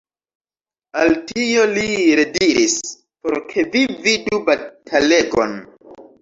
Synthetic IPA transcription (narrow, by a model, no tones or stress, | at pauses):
altio̞liɾe̞diɾis | po̞̰ɾkʰe̞vividubatʰale̞ɡo̞̰n